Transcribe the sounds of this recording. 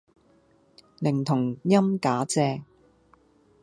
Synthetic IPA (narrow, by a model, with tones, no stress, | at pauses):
lɪ˨˩ŋt̪ʰʊ˨˩ŋjɐ˥mkaː˨˥t͡sɛː˧